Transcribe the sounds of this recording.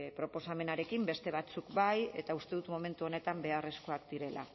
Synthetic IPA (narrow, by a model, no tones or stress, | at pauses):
pɾo̞po̞same̞naɾe̞kimbe̞st̪e̞β̞at͡sukbaje̞̰t̪aust̪e̞ðut̪mome̞nt̪uone̞t̪ambe̞are̞sko̞akd̪iɾe̞la̰